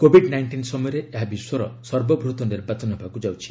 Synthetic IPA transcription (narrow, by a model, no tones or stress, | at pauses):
kobʱiɖnajɳʈinsɔmɔjɔɾeʔeɦabiswɔɾɔ̰sɔɾbɔbʱɾut̪ɔniɾbat͡ʃɔnɔbʱakud͡ʒawt͡ʃʰi̥